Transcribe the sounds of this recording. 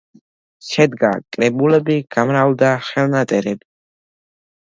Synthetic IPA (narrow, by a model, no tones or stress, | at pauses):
ʃɛd̪ɡa̰kʼɾɛbulɛbiɡ̥amɾald̪aχɛlˠnat̪ʼɛɾɛbi